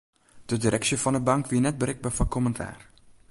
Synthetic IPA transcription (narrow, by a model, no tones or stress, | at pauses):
d̥ədiɾʔɛksjəfɔndəbɑŋkʋiənɛt̚bəɾɪɡ̚bafɔkʰoməntʰa̰ːr